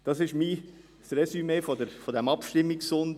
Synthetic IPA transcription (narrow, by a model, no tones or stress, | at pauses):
d̥ɑsɪʃmiː | sɾɛsymefodəɾfod̪æmɑpʃtɪmːiksʊnd